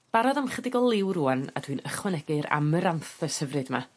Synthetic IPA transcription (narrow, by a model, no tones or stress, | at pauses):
b̥aɾɔðamχədɪɡɔlˠɪwɾuːana̰dwinəχwɛnɛɡɨɾa̰məɾanθəsəvrɨdma